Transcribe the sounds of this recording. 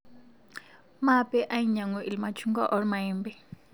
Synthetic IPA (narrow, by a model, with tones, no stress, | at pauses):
mapɛ˦ʔa˦i˦ɲa˨ŋu˨ʔi˨lima˨t͡ʃʰu˦ŋɡa̰˦ʔɔ˦ɾma˨imbɛ˦